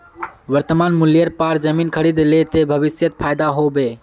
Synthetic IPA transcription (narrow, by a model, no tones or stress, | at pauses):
ʋəɾt̪əmanmuljəɾpaɾd͡ʒəminkʰəɾid̪let̪ebʱəβisjət̪̚pʰajd̪aɦobe